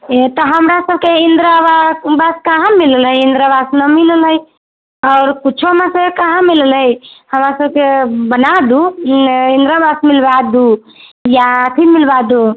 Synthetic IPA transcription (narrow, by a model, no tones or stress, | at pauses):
t̪ɔɦəmɾasəb̚keind̪ɾababaskaɦãmiləlɦəjind̪ɾabasnəmiləlɦəj | ɔʊɾkuːt͡ʃʰoɦəmasəbkekaɦãmiləlɦəjhəmɾasəb̚kebənad̪uind̪ɾabasmilbad̪u | jat̪ʰinmilbad̪u